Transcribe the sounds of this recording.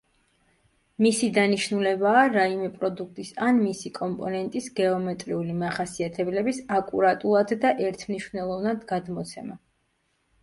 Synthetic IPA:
misid̪aniʃnulɛbaːɾaimɛpʼɾɔd̪ukʰt̪ʼisanmisikʼɔmpʼɔnɛnt̪ʼisɡɛɔmɛt̪ʼɾiulimaχasiat̪ʰɛblɛbisakʼuɾat̪ʼulˠad̪ːaʔɛɾt̪ʰmniʃvnɛlˠɔvnad̪ɡad̪mɔt̪sʰɛma

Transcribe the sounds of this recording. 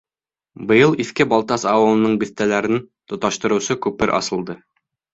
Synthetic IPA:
bɤ̆jɤlˠiθkɘbɑlˠt̪ɑsɑwɤ̆lˠɤ̆nɤɴbiθt̪ælæɾɘnt̪ŏt̪ɑʃt̪ɤ̆ɾɤ̆wsɤkʉpɘɾʔɑ̰sɤ̆lˠd̪ɤ

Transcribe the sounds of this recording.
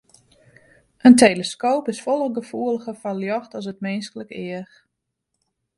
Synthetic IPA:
ʔəntejləskoːpɪsfɔlˠəɡəfuələxəfaljɔxtɔs̬ətmɪnskələkɪəx

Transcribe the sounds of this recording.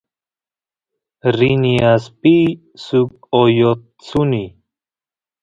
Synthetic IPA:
ɾiniaspi | suk | ojot̪ | t͡suni

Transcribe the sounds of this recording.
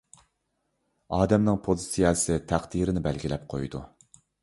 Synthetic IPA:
ɑːd̪ɛmnɪŋpʰozsijɑsɪt̪ʰæχd̪iɾɪnɪbælɡʲilɛp̚qʰojd̪u

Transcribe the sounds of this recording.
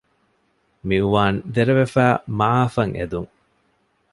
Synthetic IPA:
miuʋaːnd̪eɾeʋefæːmaaːfɐŋḛd̪uŋ

